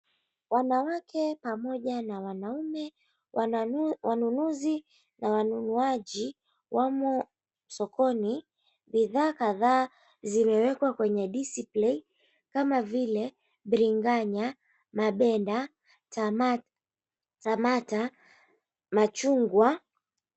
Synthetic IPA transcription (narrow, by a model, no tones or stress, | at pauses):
wanawakʰɛpamɔʄanawanaumɛ | wanunuzi | nawanunuaʄi | wamɔ | sɔkɔni | ɓiðaːkaðaː | zimɛwɛkwakwɛɲɛɗisiplin | kamavilɛ | ɓɾiŋɡaɲa | maɓɛnda | tamata | mat͡ʃuŋɡwa